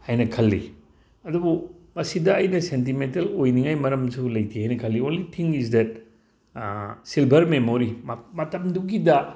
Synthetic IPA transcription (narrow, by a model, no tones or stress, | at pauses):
hajnɐkʰɐlːḭ | ɐdubu | mɐsidɐːjnɐsent̬imentɐlojniŋajmɐɾɐmsulɐjtʰihajnɐkʰɐlːionlitʰiŋis̬dɛt̚ | silbʱɐɾmemoɾimmɐtɐmduɡidɐ